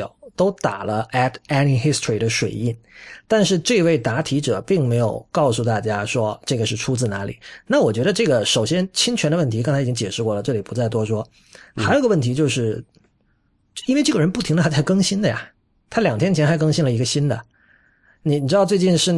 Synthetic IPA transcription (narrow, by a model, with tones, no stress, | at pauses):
ʊt̪o˥ʊt̪a˨˩lə˦æ˥tʰa˥ni˧˥xi˥stʰɹi˨˩d̪ə˦ʂwe˨˩ɪi˥˩nt̪a˥˧nʂ̬ɻ̩˥˧ʈ͡ʂɤ˥˧we˥˩ɪt̪a˧˥t̪ʰi˧˥ʈ͡ʂɤ˨˩pi˥˩ŋme˧˥ɪjo˨˩ʊkɑ˥˧ʊsu˥˧t̪a˥˩t͡ɕja˥ʂwɔ˥ʈ͡ʂɤ˥˩ɡə˩ʂɻ̩˥˩ʈ͡ʂʰu˥t͡sɹ̩˥˩na˧˥lḭ˨˩˦na˥˩wɔ˨˩t͡ɕɥɛ˧˥ɾə˧ʈ͡ʂɤ˥˩ɡə˩ʂo˨˩ʊɕjɛ˥nt͡ɕʰi˥ŋt͡ɕʰɛ˧˥nd̪ə˧wə˥˩nt̪ʰi˧˥kŋt͡sʰa˧˥˨t͡ɕi˥ŋt͡ɕjɛ˨˩ʂɻ̩˥˧kwɔ˥˩lə˩ʈ͡ʂɤ˥˩li˨˩pu˧˥t͡sa˥˩ɪt̪wɔ˥ʂwɔ˥ | xa˧˥jo˨˧˥ɡwə˥˩nt̪ʰi˧˥t͡ɕjo˥˧ʊʂɻ̩˥˩˥ | i˥nwe˥˧ɪʈ͡ʂɤ˥˩ɡə˩ɻə˧˥npu˥˩t̪ʰi˧˥ŋdə˧t̪ʰa˥a˥˩ɪkɤ˥ŋɕi˥nd̪ə˨ja̰˨˩ | t̪ʰa˥ljɑ˨˩ŋt̪ʰjɛ˥nt͡ɕʰɛ˧˥nxa˧˥ɪkɤ˥ŋɕi˥nlə˨˩i˧˥ɡə˧ɕi˥nd̪ə̰˩ | ni˨˩ni˨˩ʈ͡ʂɻ̩˥d̪ʊt͡swe˥˧ɪt͡ɕi˥˧nʂɻ̩˥˩